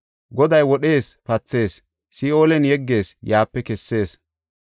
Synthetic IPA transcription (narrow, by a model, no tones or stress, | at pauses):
ɡɔd̪ɐjwɔɗe̞ːspɐt͡sːe̞ːsː | ɪo̞ːlɛnjɛɡːe̞ːsjaːpːɛkɛsːe̞ːs